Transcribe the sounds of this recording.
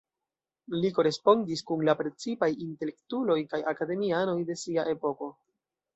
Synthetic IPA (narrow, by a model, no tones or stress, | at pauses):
liko̞ɾe̞spo̞ndiskunlapɾe̞t͡sipajinte̞le̞ktulo̞jkajakade̞miano̞jde̞siaʔe̞po̞ko̞